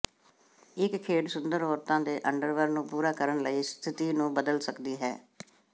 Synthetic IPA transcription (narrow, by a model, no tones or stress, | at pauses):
ɪkkʰeːʈsʊnd̪əɾɦoːɾt̪ãːd̪eːʔəɳɖəɾʋəɾnũːpuːɾaːkəɾəɳləiːst̪ʰɪt̪iːnũːbəd̪əlsəkd̪iːɦɛ̰ː